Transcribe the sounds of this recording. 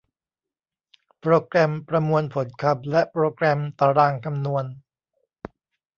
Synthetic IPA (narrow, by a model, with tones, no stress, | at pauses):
pɾoː˧kɾɛ˧mpɾa˧mu˧ənpʰo˩˦nkʰa˧˩p̚lɛ˦˥ʔpɾoː˧kɾɛ˧mt̪aː˧ɾaː˧ŋkʰa˧mnu˧ən